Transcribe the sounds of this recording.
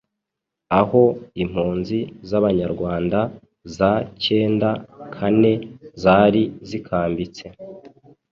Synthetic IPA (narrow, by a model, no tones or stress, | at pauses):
aho̞im̥huːnzizaβaɲaɾɡwaːnda | zace̞ːndakʰane̞zaɾizikʰaːmbit͡se̞